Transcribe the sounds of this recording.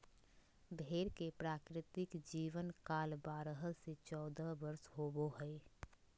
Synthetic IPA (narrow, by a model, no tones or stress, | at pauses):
bʱeːɾkepɾaːkɾɪt̪ɪkd͡ʒiːʋənkaːlbaːɾəɦəset͡ʃɔːd̪əbəɾsɦoːboɦɛː